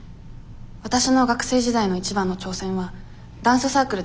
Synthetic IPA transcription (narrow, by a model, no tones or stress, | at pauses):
βat̪aɕino̞ɡakɯ̟̥se̞ːʑid̪aino̞it͡ɕibãnːo̞t͡ɕo̞ːsẽ̞ɰ̃βa | d̪ãɰ̃sɨsaːkɯ̟ɾɯ̟